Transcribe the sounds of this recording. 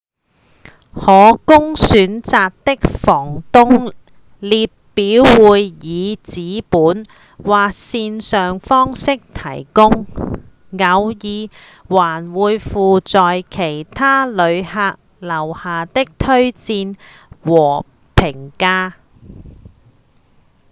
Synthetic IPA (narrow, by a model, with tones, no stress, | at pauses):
hɔː˨˧kʊ˥ŋsyː˨˥nt͡saː˧k̚t̪ɪ˥k̚fɔː˨˩ŋt̪ʊ˥ŋ | liː˨t̚piː˨˥wːuː˨˧jjiː˨˧t͡siː˨˧˥puː˨˥n | waː˨k̚siː˧nsœː˨ŋfɔː˥ŋsɪ˥k̚t̪ʰɐ̰˨˩jkʊ˥ŋ | ŋɐ˨˧wjiː˨˧ | waː˨˩nwuː˨˧jfuː˨t͡sɔː˨jkʰe˨˩jt̪ʰaː˥lɵ˨˧ɥhaː˧k̚ | lɐ˨˩whaː˨t̪ɪ˥k̚t̪ʰɵ˥ɥt͡siː˧n | wɔː˨˩ | pʰɪ˨˩ŋkaː˥